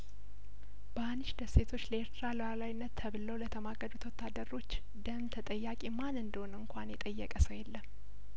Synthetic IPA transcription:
b̥əanːɨʃd̪əse̞t̪ʰo̞t͡ʃːləeɾt̪ʰɾaləwalajnːət̪ʰːəβɨləwlət̪ʰəmaɡəd̪ut̪ʰwɔt̪ʰːad̪ːəɾo̞t͡ʃː | d̪əmt̪ʰət̪ʼəjːakʼimanɨnd̪əhonɨŋkʷʰanjɛt̪ʼəjːɛkʼəsəwjɛlːəm

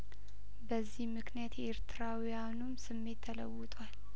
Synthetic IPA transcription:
bəzːihmɨknijat̪e̞ɾt̪ʰɨɾawijanumsɨmːe̞t̪ʰːələwːɨt̪ʼwal

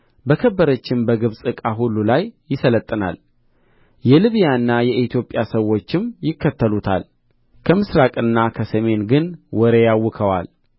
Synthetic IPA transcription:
bəkʰəbːəɾət͡ʃːɪmbəɡɨβsʼɨkʼaɦulːulajːɪsələt̪ʼːəna̰l | jɛlɨβijaɨnːajɛʔit̪ʰjo̞pʼjasəwːo̞t͡ʃːɪmjɪkʰːət̪ʰːəlut̪ʰa̰l | kʰəmɨsɾakʼɨnːakʰəsəme̞nɡɨnwɔɾejawːʊkʰəwa̰l

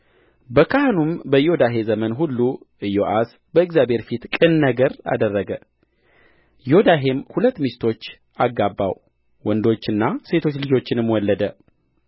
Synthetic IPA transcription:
bəkʰahnumbəjo̞d̪aɦe̞zəmənɦulːu | ɨjoʔas | bəɨɡzjabʱe̞ɾfit̪kʼɨnnəɡəɾa̰d̪ərːəɡə | jo̞d̪aɦe̞mhulət̪ːmist̪ʰo̞t͡ʃː | aɡabːa̰w | wɔnd̪o̞t͡ʃːɨnːase̞t̪ʰo̞t͡ʃːlɨd͡ʒo̞t͡ʃːɪnɨmwɔlːəd̪ə

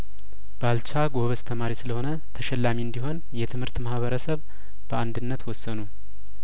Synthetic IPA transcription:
b̥alt͡ʃʰaɡo̞βəst̪ʰəmaɾisɨləho̞nə | t̪ʰəʃɛlːamiɨnd̪iho̞n | jɛt̪ʰɨmhɨɾt̪mahβəɾəsəβ | bəand̪ɨnːət̪wɔsːənu

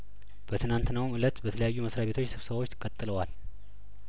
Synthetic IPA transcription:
b̥ət̪ʰɨnant̪nəwmʔɨlət̪bət̪ʰələjajːuməsɾaβbe̞t̪ʰot͡ʃːsɨβsəβawo̞t͡ʃːt̪ʰɨkʼət̪ʼːɨləwal

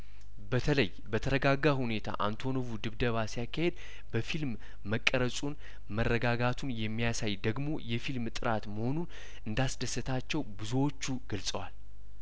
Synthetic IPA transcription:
bət̪ʰələj | bət̪ʰəɾəɡaɡahune̞t̪ʰa̰ʔant̪ʰo̞noβud̪ɨβd̪əβasijakʰːahe̞d̪̚ | bəfilmː | əkʼːəɾəsʼun | mərːəɡaɡat̪ʰunjɛmːijasajd̪əɡmo̞jɛfilmt̪ʼɨɾat̪məho̞nun | ʔɨnd̪asd̪əsːɨt̪ʰat͡ʃːɛwbɨzuwo̞t͡ʃːuɡəlsʼəwal

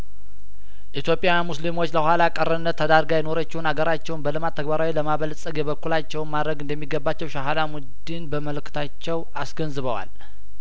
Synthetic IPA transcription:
ʔit̪jopʼjamuslimwo̞t͡ʃːləhʷalakʼərənːət̪ʰːəd̪aɾɡajɛno̞ɾət͡ʃːɪwunaɡəɾat͡ʃːɛwnbəlɨmat̪ʰːəɡbaɾawiləmaβəlsʼəɡjɛβəkːulat͡ʃːɛwnmad̪ɾəɡɨnd̪əmːiɡːəbːat͡ʃːɛwʃaɦalamud̪inbəməlɨkʰːɨ̥t̪ʰat͡ʃːɛw | asɡənzɨβəwa̰l

